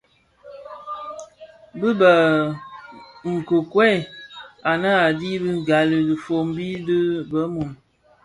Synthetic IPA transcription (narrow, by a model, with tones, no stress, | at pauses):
bɨ˦bə˨ | ŋ̩˨ko˨kwɛ˦˨a˨nə˦a˨di˦bɨ˦˨ɡa˨li˨di˨fo˨mbi˦dɨ˦bə˨˦mu˨n